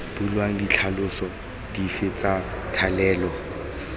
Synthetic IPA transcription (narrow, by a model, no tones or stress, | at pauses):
b̥ulwaŋ̩dit͡ɬʰalʊsɔ | d̥ifɪt͡sʼatʰalɛːlɔ